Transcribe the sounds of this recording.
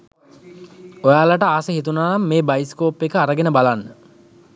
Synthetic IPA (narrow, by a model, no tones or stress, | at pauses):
ojaːlaʈəaːsəɦit̪unaːnamːeːbajiskoːpːekəaɾəɡenəbalanːə